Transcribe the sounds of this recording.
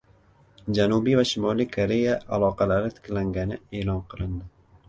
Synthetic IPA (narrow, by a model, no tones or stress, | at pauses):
d͡ʒanʊbijvaʃɪmɒlijkʰoɾejaʔalˠɒqɑlaɾɪt̪ʰɪ̥kʲlaŋɡʲanɪe̞ːlɒnqʰɨlˠɪnd̪ɪ